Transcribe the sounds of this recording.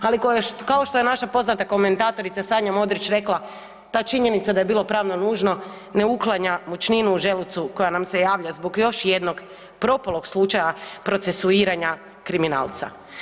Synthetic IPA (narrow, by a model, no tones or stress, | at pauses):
alikokao̞ʃt̪o̞je̞naʃapo̞znat̪ako̞me̞nt̪aːt̪o̞ɾit̪sasaːɲamo̞d̪ɾit͡ʃɾe̞klˠa | t̪aːt͡ʃiɲe̞nit̪sad̪aje̞biːlˠo̞pɾaːʋno̞nuːʒno̞ | ne̞uklˠaɲamut͡ʃninuːʒe̞lut̪suko̞janamse̞jaːʋʎazbo̞ɡjo̞ʃje̞d̪no̞ɡ | pɾo̞polˠo̞ɡslˠut͡ʃajapɾo̞t̪se̞suiːɾaɲa | kɾimina̰ːlˠt̪sa̰